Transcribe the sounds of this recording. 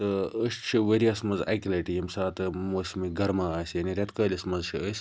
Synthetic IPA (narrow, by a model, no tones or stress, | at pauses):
t̪ɨəʃt̪t͡ʃʰiʋeɾiɐsmɐnzɐ̰kʲilɐʈijɐmsaːt̪ɨmoːsʲmiɡɐɾmaːaːsʲjaniɾʲɐt̪kɐːlʲismɐzʃʰiəsʲ